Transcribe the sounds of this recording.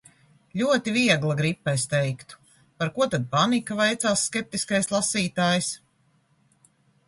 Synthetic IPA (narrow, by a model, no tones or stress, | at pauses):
lʲuɔt̪iviɛɡlˠaɡɾipːɛjst̪ɛjkt̪u̥ | paɾkuɔt̪ad̪̚panikavajt̪saːsːkʲɛp̚t̪iskajslˠasiːt̪aːjs